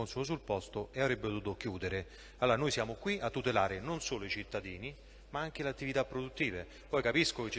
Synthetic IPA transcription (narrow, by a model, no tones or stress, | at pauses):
onsuos̬ulpɔst̪oeavɾɛbːepot̪uːt̪ok̟juːd̪eɾe | alːoːɾanojsjaːmokwiat̪ːut̪elaːɾenonsoːloit͡ʃit̪ːad̪iːni | maaŋk̟eleat̪ːivit̪apːɾod̪ut̪ːiːve | pɔjkapiskoket͡ʃː